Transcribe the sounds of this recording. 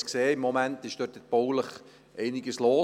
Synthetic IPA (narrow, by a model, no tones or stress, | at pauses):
kseːɪmːomæntɪʃd̥øːtət̚b̥owləχ | ʔɛɪnɪɡəsloː